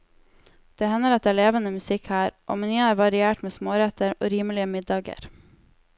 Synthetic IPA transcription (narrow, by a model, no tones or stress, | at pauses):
d̪̥eːhɛnːəɾɑt̪̚æːɭeːʋənəmʉsɪkhæːɾʔo̰ːmɛnyːæːɾʋɑɾɪeːʈmeːsmoːɾɛt̪əɾo̰ːɾiːməlɪəmɪd̪ɑːɡə̰ɾ